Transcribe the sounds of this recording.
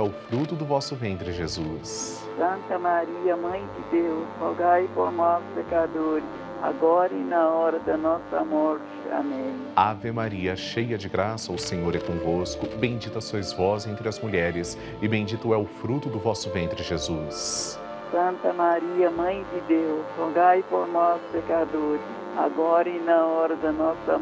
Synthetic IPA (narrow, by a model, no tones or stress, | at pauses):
ɛʊfɾut̪ʊd̪ʊvɔsʊvẽnt̪ɾɪʒezus | sɐ̃nt̪ɐmaɾiɐmɐ̃j̃d͡ʒɪd̪ewshɔɡajpoɾnɔspekad̪oɾɪs | a̰ɡɔɾɐɪnɐɔɾɐd̪ɐnɔsɐ̰mɔɾt͡ʃɪa̰mẽj̃avemaɾiɐʃejɐd͡ʒɪɡɾasɐʊsẽɲoɾɛkõvoskʊbẽj̃d͡ʒit̪ɐsozvɔzẽnt̪ɾɪɐzmuʎɛɾɪs | ɪbẽd͡ʒit̪ʊɛʊfɾut̪ʊd̪ʊvɔsʊvẽnt̪ɾɪʒezus | sɐ̃nt̪ɐmaɾiɐmɐ̃j̃d͡ʒɪd̪ewshoɡajpoɾnɔspekad̪oɾɪ | a̰ɡɔɾɐɪnɐɔɾɐd̪ɐnɔsɐ̰